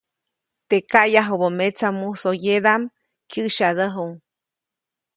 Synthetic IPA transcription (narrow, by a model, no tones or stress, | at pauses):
t̪ekaʔjaɦubomet͡samusojed̪am | kʰɨʔʃaðəɦuŋ